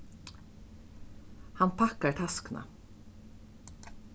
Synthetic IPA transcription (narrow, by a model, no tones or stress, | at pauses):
hanpʰakaɹt̪ʰaskna̰